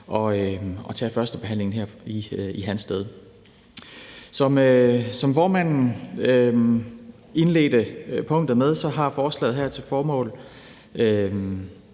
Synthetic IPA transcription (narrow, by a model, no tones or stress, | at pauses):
ʔɒ̽øɒ̽t͡sʰɛ̰ːfɶɐsd̥əb̥e̝ɦæn̰le̝ŋn̩ɦeɐ̰iiɦænsd̥eð̞ˠ | sɒ̽møsɒ̽mfɒːmæn̰n̩ø | e̝nle̝̰ːd̥əpʰɔ̽ŋ̰d̥ð̩ˠmeð̞ˠsɒ̽ɦɑ̈fɒːslɛ̰ːðˠɦæɐ̰t͡sʰe̝lfɒːmɔ̰̽ːl | ø